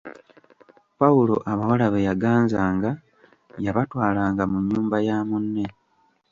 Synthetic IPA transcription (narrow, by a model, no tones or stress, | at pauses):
paulo̞̰ʔaβawalaβejaɡaːnzaːŋɡa | jaβatwaːlaːŋɡamuɲːuːmbajaːmunːe̞